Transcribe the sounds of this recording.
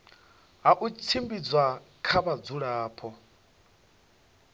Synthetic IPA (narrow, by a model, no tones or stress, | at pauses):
ɦaʔut͡sʰimbid͡zwakʰaβad͡zuɺaːpʰɔ